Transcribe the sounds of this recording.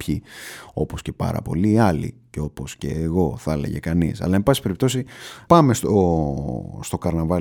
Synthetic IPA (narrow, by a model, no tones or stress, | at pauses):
pçio̞posce̞pɐ̰ɾɐ̰po̞̰liːɐlḭceo̞po̞sceːɣo̞θɐlḛʝḛkɐnḭsɐ̰lɐembɐsi̥pe̞ɾip̚t̪o̞sipɐmest̪o̞ | st̪o̞kɐɾnɐvɐ